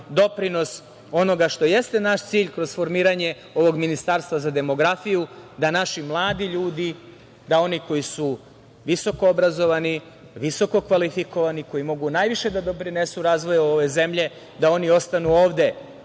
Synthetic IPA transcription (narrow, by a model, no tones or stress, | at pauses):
d̪o̞pɾino̞s | o̞no̞ɡaʃt̪o̞je̞st̪e̞naʃt̪siːʎkɾo̞zfo̞ɾmiːɾaɲe̞ | o̞ʋo̞ɡminist̪aːɾst̪ʋazad̪e̞mo̞ɡɾafijud̪anaʃimlˠaːd̪iʎuːd̪i | d̪ao̞niko̞jisu | ʋiso̞koobɾazo̞ʋani | ʋiso̞ko̞kʋalifiko̞ʋaniko̞jimo̞ɡunaːjʋiʃe̞d̪ad̪o̞pɾine̞suɾaːzʋo̞joʋe̞ze̞mʎe̞ | d̪ao̞nio̞st̪anuo̞ːʋd̪e̞